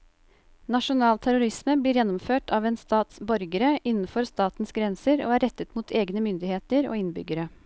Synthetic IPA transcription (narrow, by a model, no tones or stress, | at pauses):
nɑʂʊnɑːlt̪ʰæɾʊɾɪsməbliːɾjɛnːɔmføːʈʰɑːʋeːnst̪ɑːt̪sbɔɾɡəɾəʔɪnːn̩fɔɾst̪ɑːt̪n̩sɡɾɛnsəɾo̰ːæɾɛt̪ːət̪muːt̪ʰeːɡnəmʏnd̪ɪheːt̪əɾo̰ːɪnbʏ̰ɡəɾə